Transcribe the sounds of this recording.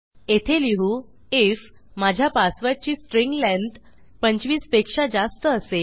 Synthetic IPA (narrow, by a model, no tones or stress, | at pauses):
et̪ʰeliɦu | ef | mad͡ʑʱjapasʋat͡ɕiːsʈɾiŋɡlæ̃nd̪ | pəɲt͡ɕʋiːspekʂad͡zast̪əːse